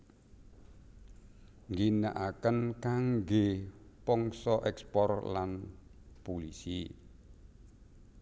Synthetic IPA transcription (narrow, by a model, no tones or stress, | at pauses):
ŋɡina̰ʔakənkaŋɡepɔŋsɔʔɛkspɔrlanpolisi